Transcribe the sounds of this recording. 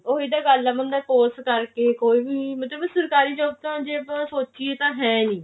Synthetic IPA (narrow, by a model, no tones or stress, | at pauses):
oːɦiːd̪aːɡəlaːmənd̪aːpoːskəɾkeːkoːiːbiːmət̪ləbsəɾkaːɾiːd͡ʒoːt̪ãːd͡ʒeːbasoːt͡ʃt͡ʃiːet̪ãːɦɛ̃ːnĩː